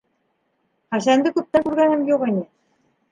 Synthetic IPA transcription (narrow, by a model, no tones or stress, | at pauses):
χɑɕænd̪ɘ̆kup̚t̪ːækuɾɣænɘ̆mjuʁɤ̆nʲi